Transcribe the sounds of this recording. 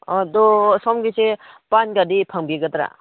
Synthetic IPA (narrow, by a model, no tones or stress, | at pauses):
ɔdɔsɔmɡise | panɡadipʰaŋbiɡat̪ɾa̰